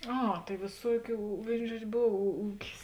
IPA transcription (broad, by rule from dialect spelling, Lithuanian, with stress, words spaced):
ˈɐ tɐɪ ʋʲeːˈsuɔkʲuː ˈʋʲeːɪn ˈʒuɔt͡ʃʲ ˈboːw uː ˈuːkʲɪs